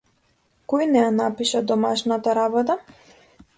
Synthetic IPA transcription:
kɔjnɛjanapiʃad̪ɔmaʃnat̪aɾabɔt̪a

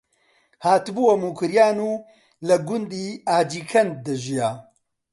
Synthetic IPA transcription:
haːt̪buwɐmuːkʰɨɾjaːnuː | lɐɡʊnd̪iːaːd͡ʒiːkʰɐnd̪̚d̪ɐʒijaː

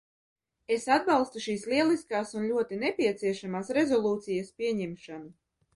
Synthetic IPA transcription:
esad̪̚bɑlˠst̪uʃiːsliɛlˠiskaːsunlʲuɔt̪inepʲiɛt̪siɛʃamaːsɾezɔlˠuːt̪sijaspʲiɛɲɛmʃanu

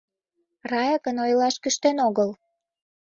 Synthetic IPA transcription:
rɑjəkənojlɑʃkyʃt̪enoɣəl

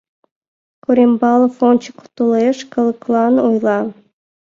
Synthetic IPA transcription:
kuɾʲembɑlˠɤfonʲt͡ɕiku̥t̪ulˠeʃkɤ̆lˠɤklˠɑnojlˠɑ

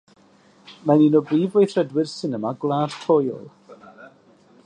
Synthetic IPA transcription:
maninɔbriːvejθrədwɪrsɪnəmaɡlˠaːd̥tʰojɔ̰lˠ

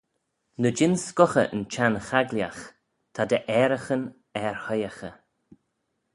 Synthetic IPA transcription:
nəd͡ʒɪnskɔxə̰ʔə̰nt͡ʃanxaɡlja̰x | t̪ʰad̪əʔɛːɾəxən | ɛɹhɔjaxə

